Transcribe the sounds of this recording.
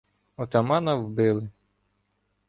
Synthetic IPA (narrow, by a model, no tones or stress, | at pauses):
ɔt̪ɐmɑnɐwbɪlˠɪ